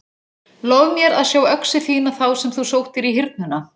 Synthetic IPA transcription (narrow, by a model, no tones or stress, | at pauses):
loːwvmjɛɾaðsjaːwœksɪθiːnaθawsɛmθusoːwht̪ɪɾiɦɪɾt̪̚nʏnːa